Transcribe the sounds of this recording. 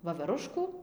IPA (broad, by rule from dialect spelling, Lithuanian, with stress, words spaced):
ʋɐʋʲɛˈrʊʃkuː